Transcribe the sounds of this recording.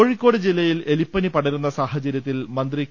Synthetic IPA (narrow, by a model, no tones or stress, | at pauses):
oɻikːo̞ːɽɨd͡ʑilːɐjjile̞lipːɐnipɐɽɐɾunːɐsaːɦɐt͡ɕɐɾjɐt̪ːilmɐnd̪ri